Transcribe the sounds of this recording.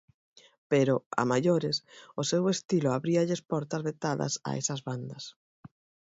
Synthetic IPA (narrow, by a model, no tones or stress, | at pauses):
peɾʊa̰maʎoɾɪsʊsewest̪iloaβɾiaʎespɔɾt̪ɐzβet̪aðɐ̰sa̰ḛsɐzβand̪ɐs